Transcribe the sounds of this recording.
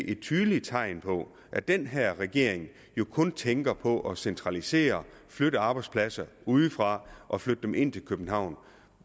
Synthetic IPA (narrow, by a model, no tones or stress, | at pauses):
ʔe̥t͡sʰyːðˠli̥t͡sʰɑ̈ɪnpʰɒ̽ | ʔæd̥enɦæɐ̰ʁɛɡ̥e̝ɐ̰eŋ | jo̝kʰɔ̽nt͡sʰeŋɡ̥ɐpʰɒ̽ʔɒ̽sent͡sʰʁɑ̈lise̝̰ːɐ | fløɾ̥əɑ̈ːb̥ɑ̈ɪdspʰlæsɐuðˠfʁɑ̈ʔɒ̽flød̥əd̥emʔe̝n̰t͡sʰe̝lkʰøb̥n̩ɦɑ̈ʊ̰n